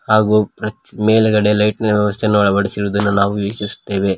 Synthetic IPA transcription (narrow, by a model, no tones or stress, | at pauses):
haːɡupɾɐt̪meːlɐɡɐɽelɐjʈnɐɐʋjɐʋɐst̪ʰenːuɐɭɐbɐɽisiɾuːd̪ɐnːunaːʋuʋɐsisu̥t̪ːe̞ːʋe̞